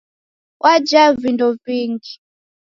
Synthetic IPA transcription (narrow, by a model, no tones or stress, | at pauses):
wʔad͡ʒavindɔviːŋɡi